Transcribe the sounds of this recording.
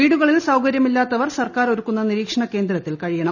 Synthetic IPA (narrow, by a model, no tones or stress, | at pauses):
iːɽuɣɐɭilsɐwkɐɾjɐmilːaːt̪ːɐʋɐrsɐrkaːɾo̞ɾukːunːɐniɾiːkʂɐɳɐke̞ːnd̪ɾɐt̪ːilkɐɻijɐɳɐm